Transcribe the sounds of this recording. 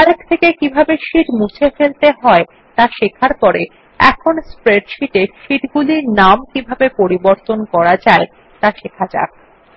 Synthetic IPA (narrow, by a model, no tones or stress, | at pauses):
aɾek̚t̪ʰekekibʱabeʃiʈmut͡ɕʰefelt̪eɦɔe | t̪aʃekʰaɾpɔɾe | ɛ̰kʰonspɾeɖʃiʈeʃiʈɡuliɾnamkibʱabepoɾiboɾt̪onkɔɾad͡ʑae | t̪aʃekʰad͡ʑa̰k̚